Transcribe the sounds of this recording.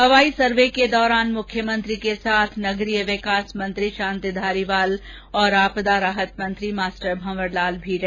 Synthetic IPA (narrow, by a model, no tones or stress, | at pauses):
ɦɐʋaːisɐɾʋeked̪ɔːɾaːnmʊkʰjəmɐ̃nt̪ɾikesaːt̪ʰnɐɡɾijəʋɪkaːsmɐ̃nt̪ɾiʃãːnt̪id̪ʱaːɾiʋaːl | ɔːɾaːpd̪aɾaːɦət̪mɐ̃nt̪ɾimaːsʈəɾbʱɐ̃mʋəɾlaːlbʱiːɾɛ